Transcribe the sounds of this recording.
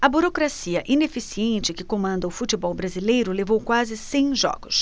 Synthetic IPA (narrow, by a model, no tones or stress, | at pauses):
ɐbuɾokɾasiɐʔĩnefisiẽnt͡ʃɪkɪkomɐ̃nd̪ɐʊfut͡ʃibɔwbɾazilejɾʊlevowkwazɪsẽj̃ʒɔ̰ɡʊs